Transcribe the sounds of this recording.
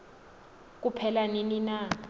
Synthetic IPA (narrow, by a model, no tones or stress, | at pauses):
k̬ʼupʰɛlaninina